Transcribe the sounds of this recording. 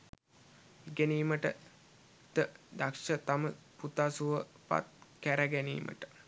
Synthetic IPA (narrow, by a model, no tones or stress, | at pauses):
eɡæniːməʈə | t̪əd̪akʂət̪amə | put̪asuʋə | pa̰t̪̚kæɾæɡænḭːmʔə̰ʈə̥